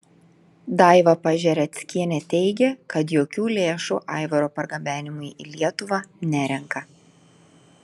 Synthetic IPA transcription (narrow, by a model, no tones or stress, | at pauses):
d̪ɑˑɪʋɐpɐʒʲɛɾʲɛt̪sʲkʲiɛnʲɛt̪ʲɛɪɡʲɛkɐt̪joːkʲuːlʲeːʃṵːʔɑˑɪʋɐɾoːpɐɾɡɐbʲæːnʲɪmʊɪḭlʲiɛt̪ʊʋɑnʲæɾʲɛŋkɐ